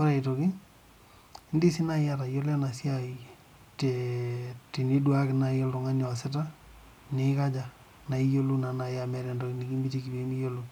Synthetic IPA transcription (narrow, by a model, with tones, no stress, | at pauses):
kɔ˦ɾa˨i˨to˨ki˦ | ndi˦si˦na˦ja˦ta˨jo˦lɛ˦na˨si˦ai | te | ti˨ni˦dwa˦kɪ˨na˨˦jɔ˦ltɔ˨ŋa˦nja˨sɪ˦ta˦ | ni˦ka˦d͡ʒa˨ | na˨i˦jo˦lu˦na˨na˨ja˨mɛ˦ɾɛ˨ndo˨kini˨ki˦mbi˦ti˨ki˨be˨˦mi˦jo˦lu